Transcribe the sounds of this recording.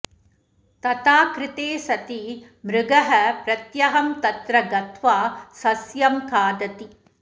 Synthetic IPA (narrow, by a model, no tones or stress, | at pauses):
t̪ɐt̪aːkɾɪt̪eːsɐt̪i | mɾɪɡɐɦɐpɾɐt̪jɐɦɐmt̪ɐt̪ɾɐɡɐt̪ʰʋaːsɐsjɐmkʰaːd̪ɐt̪i